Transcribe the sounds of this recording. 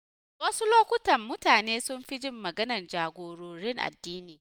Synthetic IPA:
wɐ˦su˦loː˦kʷʊ˦tɐ˨mːʊ˦taː˨neː˦sʊ˦mɸɪ˦d͡ʒɪ˦mːɐ˨ɡɐ˦nɐ˨rd͡ʒaː˨ɡʷoː˨ɾoː˨ɽɪ˦ŋʔa̰˨dːiː˦niː˨

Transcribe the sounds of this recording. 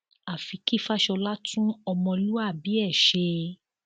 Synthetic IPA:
a˨fi˧ki˦fa˦ʃɔ˧la˦tʰũ˦ɔ˧mɔ̃˧lu˦a˦˨bi˨˦ɛ˦˨ʃe˧

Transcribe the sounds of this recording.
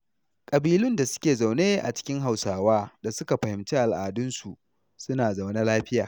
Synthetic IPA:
kʼɐ˨biː˦lʊ˦nda˨sʊ̥˦kʲeː˨za˨wneː˦ʔa̰˨t͡ʃɪ̥˦kʲɪ˦ŋɦa˨wsaː˨waː˦da˨sʊ˦ka˨ɸɐ˨hɪ˨mt͡ʃe˦ʔa˨lʔaː˨dʊ˦nsu˨ | sʊ˦naː˨za˨wna˦laː˦ɸɪ˦jaː˨

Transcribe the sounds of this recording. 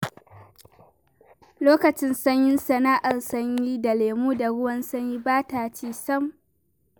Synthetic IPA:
loː˦kɐ˨t͡ʃɪ˦nsɐ˦ɲjɪ˦nsɐ˨naː˦ʔa˨rsɐ˦ɲji˦da˨leː˨muː˦da˨ɽʊ˦wɐ˦nsɐ˦ɲji˦baː˦taː˨t͡ʃiː˦sɐ˦m

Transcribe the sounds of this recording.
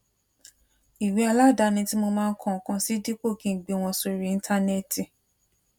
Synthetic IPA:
i˨wi˨˦a˧la˦˨da˧˦nĩ˧ti˦mo˧mãː˦˧˦kʰɔ̃˦˨kã˧si˦di˦k͡po˦˨kĩ˨˦˨ɡ͡be˨˦˨w̃ɔ̃˧so˧ɾi˨˦ĩ˧n˦tʰa˦ne˦˨ti˨

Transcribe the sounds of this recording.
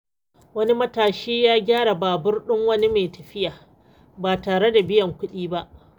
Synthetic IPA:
wɐ˦ni˦mɐ˦taː˨ʃiː˦jaː˦ɡʲaː˦ɽa˨baː˨bʊ˦rɗɪ˦ŋwɐ˦ni˦meː˨tɐ˨ɸɪ˦jaː˨ | baː˨taː˨ɽe˦da˨bɪ˦jɐ˨ŋkʷʊ˦ɗiː˦ba˦ʔ

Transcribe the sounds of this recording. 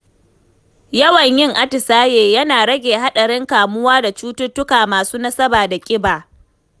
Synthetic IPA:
jɐ˦wɐ˨ɲjɪ˦ŋʔa˦tɪ˨saː˦jeː˨jɐ˦naː˨ɽɐ˦ɡʲeː˨ɦa˦ɗɐ˨ɽɪ˦ŋkaː˨mʊ˦waː˦da˨t͡ʃuː˦tʊ˦tːʊ˦kaː˨maː˨suː˦nɐ˦sɐ˦baː˨da˨kʲʼɪ˦baː˨

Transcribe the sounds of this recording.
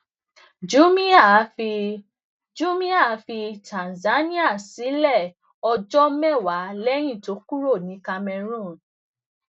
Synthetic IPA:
d͡ʒu˦mi˦a˦˨˧ | d͡ʒu˦mĩ˦a˦˨fi˧tã˨nza˨˦nĩ˦a˦˨si˨˦lɛ˦˨ | ɔ˧d͡ʒɔ˦mɛ˦˨wa˨˦lɛ˦j̃ĩ˦˨to˨˦ku˦ɾo˦˨nĩ˨˦ka˧mɛ˧ɾ̃ɔ̃˦˨n

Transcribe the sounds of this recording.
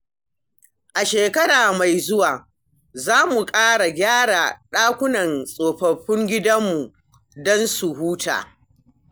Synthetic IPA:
ʔa˨ʃeː˨kɐ˦ɽaː˨ma˨jzʊ˦waː˨ | zaː˦mu˨kʼaː˦ɽa˨ɡʲaː˦ɽa˨ɗaː˦kʷʊ˦nɐ˨nsʼoː˨ɸɐ˨ɸːɪ˦ŋɡʲɪ˦dɐ˦mːu˨ | dɔ˦nsu˨ɦuː˦ta̰ː˨

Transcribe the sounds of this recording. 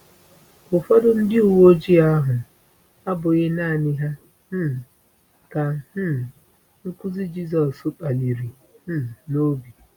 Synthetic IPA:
kʊ˨fa˦dʊ˦n̩˦dɪ˦u˨wo˦d͡ʒi˦a˦ɦʊ˨ | a˦bʊ˨ɣɪ˦naː˦˨nɪ˦ɦa˦ | h̩˦ | ka˨h̩˦ | ŋ̩˦kʷu˦zi˦d͡ʒi˦zɔ˨sʊ˦k͡pa˨li˨ɾi˨ | h̩˦no˦bi˨

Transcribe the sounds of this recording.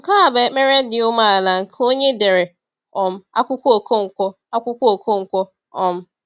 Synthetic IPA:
ŋ̩˨ka˦a˨be˨˦me˦ɾe˦dɪ˨ʊ˦ma˦a˨la˨ŋ̩˨kʰo˦ɲe˦de˨ɾe˨ | ɔ˨m̩˦a̰˦kʷʊ˦kʷo˦o˨ko˦ŋ̩˨kʷɔ˦ | a˦kʷʊ˦kʷʊ˦o˨kʰo˦ŋ̩˨kʷɔ˦ | ɔ˦m̩˦

